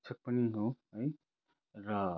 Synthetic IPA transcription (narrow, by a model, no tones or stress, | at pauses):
t͡sʰʌk̚pʌniɦoɦʌj | rʌ